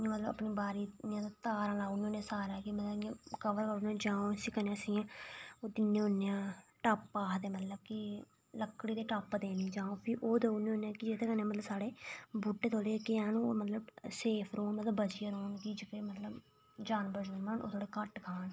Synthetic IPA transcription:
ãːmət̪ləbə̰pniːbaːɾiːjãːt̪at̪aːɾãːlaːunːõːnẽːsaːɾaːkimət̪ləjãːkəʋəɾkənãːd͡ʒaːõːsĩːkəneəsĩːãːoːd̪ɪnːẽːɦonːeãːʈaːpːaːɦd̪eːmət̪ləb̚kɪ | ləkːɽiːd̪eːʈaːpːd̪eːnĩːd͡ʒãːõːpʰɪɾʔoːd̪eːunẽõːnãːkɪd͡ʒet̪ʰeːkənẽːmət̪ləbsaːɽeːbuːʈːeːt̪ʰoːlekɪãːnũːmət̪ləbseːpʰɾoːnmət̪ləbəd͡ʒɪjaːɾoːnkɪd͡ʒɪkeːmət̪ləb | d͡ʒaːnbəd͡ʒmaːnʔo̰ːt̪ʰoːɽeːkəʈkʰaːn

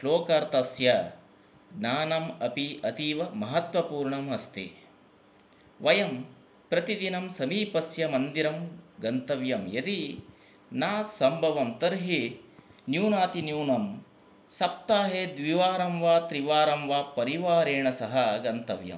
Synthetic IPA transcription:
ʃloːkɐɾt̪ɐsjɐ | ɡnaːnɐmɐpiɐt̪iːʋɐmɐɦɐt̪ʋɐpuːɾɳɐmɐst̪ḭ | ʋɐjɐm | pɾɐt̪id̪inɐmsɐmiːpɐsjɐmɐnd̪iɾɐmɡɐnt̪ɐʋjɐmjɐt̪i | naːsɐmbʱɐʋɐmt̪ɐɾɦinjuːnaːt̪injuːnɐm | sɐp̚t̪aːɦeːd̪ʋiʋaːɾɐmʋaːt̪ɾiʋaːɾɐmʋaːpɐɾiʋaːɾeːɳɐsɐɦɐɡɐnt̪ɐʋjɐ̰m

